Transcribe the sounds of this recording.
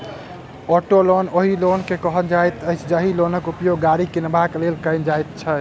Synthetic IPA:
ɔʈolonoɦilonkekəɦəld͡ʒajt̪əjt͡ʃʰd͡ʒəɦilonəkupjoɡːaɾikinbʱaklelkəɪnd͡ʒajt̪̚t͡ʃʰə

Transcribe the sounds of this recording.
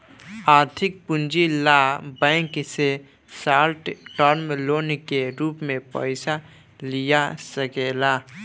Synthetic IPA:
aːɾt̪ʰɪk̚pʊnd͡ʒilabɛ̃ŋkse | saːɾʈʈɔɾmloːnkeɾuːpmẽpə̰ɪsa | lijasəkela

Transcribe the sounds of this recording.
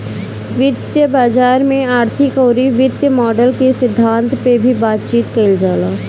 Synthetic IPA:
ʋɪd̪jəbaːd͡ʒaːɾmẽaːɾt̪ʰɪkoːɾiʋɪd̪jəmɔːɖəlkesɪd̪ʱːãːnt̪pebʱibaːt̪t͡ʃiːt̪kɐld͡ʒaːlaː

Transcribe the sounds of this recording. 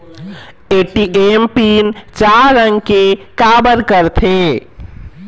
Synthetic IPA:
eʈiʔempint͡ʃaɾəŋɡkekabəɾkəɾt̪ʰe

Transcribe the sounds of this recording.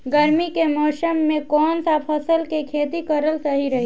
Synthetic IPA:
ɡəɾmikemɔːsəmːẽkɔːnsapʰəsəlkekʰeːt̪ikəɾəlsəɦiɾəɦi

